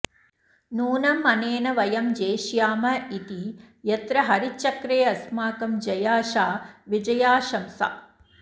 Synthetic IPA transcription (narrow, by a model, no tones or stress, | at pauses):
nuːnɐmːɐneːnɐʋɐjɐmd͡ʒeːʃjaːmɐit̪i | jɐt̪ɾɐɦɐɾit͡ʃːɐkɾeːɐsmaːkɐmd͡ʒɐjaːʃaːʋid͡ʒɐjaːʃɐmsa̰ː